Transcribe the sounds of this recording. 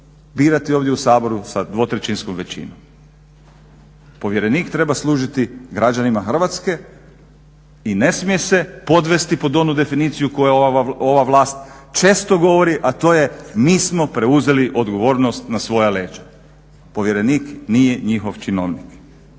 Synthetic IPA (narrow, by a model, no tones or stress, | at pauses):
biːɾat̪io̞ːʋd̪jeusaːbo̞ɾusad̪ʋo̞t̪ɾet͡ʃinskomʋe̞t͡ɕḭnom | po̞ʋje̞ɾe̞niːkt̪ɾe̞baslˠuːʒit̪iɡɾad͡ʒanimaxr̩ʋat̪ske̞ | ine̞smije̞se̞po̞d̪ʋe̞st̪ipo̞d̪o̞nud̪e̞finiːt̪sijukojeo̞ʋaʋlˠaːst̪t͡ʃe̞ːst̪o̞ɡo̞ʋoɾiʔat̪o̞ːje̞miːsmo̞pɾe̞uze̞liʔo̞d̪ɡo̞ʋo̞ːɾnost̪nasʋo̞jale̞ːt͡ʃḁ | po̞ʋje̞ɾe̞niːknije̞ɲixo̞ʋt͡ʃino̰ʋnik